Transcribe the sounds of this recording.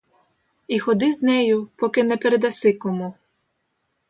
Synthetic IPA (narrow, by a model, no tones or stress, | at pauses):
ixɔd̪ɪznʲɛjʊpɔkɪnɛpeɾed̪ɐsɪkɔmu